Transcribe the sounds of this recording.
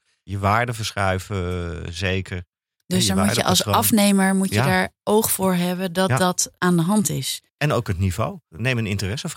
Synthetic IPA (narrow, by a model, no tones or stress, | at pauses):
jəʋaːɹdəvəɹsχɛɥvəzejkʰəɹ | d̥ɵsdɔɹamuːɹjə̰ʔɑ̰lˠsɑfnejməɹmucjədaːɹowχfʊːɹɦɛbədɑt̚dɑtʔaːndəɦɑntɪs | ɛnowkɦətnivo̰wnejmənɪntərɛsf